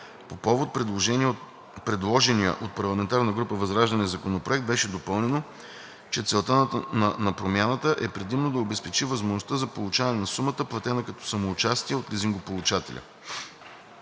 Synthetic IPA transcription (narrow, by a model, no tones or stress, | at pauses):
popɔvot̪̚pɾɛd̪lˠoʒɛniɛ | pɾɛd̪lˠɔʒɛniə̰ʔot̪̚pɐɾlˠɐmɛnt̪aɾnəɡɾupəvɐzɾaʒd̪ɐnɛzɐkonopɾoɛkt̪bɛʃɛd̪opɤlˠnɛno | t͡ʃɛt̪sɛlˠt̪ənɐnɐpɾomʲjanət̪əʔɛpɾɛd̪imnod̪ɐobɛspɛt͡ʃivɐzmoʒnost̪əzɐpolˠʊt͡ʃavnɛnɐsumət̪əplˠɐt̪ɛnəkɐt̪ɔ̥sɐmoːt͡ʃast̪iɛot̪liziŋɡopolˠut͡ʃat̪ɛ̰lʲʔə̰